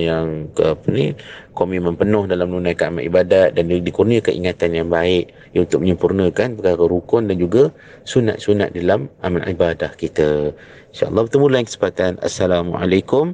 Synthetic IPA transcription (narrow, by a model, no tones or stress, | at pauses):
jaŋkəpənikomimə̃mpənʊhdalamdunãjkəamaʔ̪ibadat̪̚dandikurniəkənʔiŋat̪anjaŋbaɪʔ | junt̪ʊk̚məɲəmpurnə̃kanpəkaɾəɾukʊndand͡ʒuɡa | suna̰t̪̚suna̰t̪̚dalamʔamalḭbadahkit̪ə | inʃa̰ʔɑ̰lˠˤːɑhbət̪əmulajaŋkə̥sə̥mpat̪ana̰sːalamua̰lajkʊm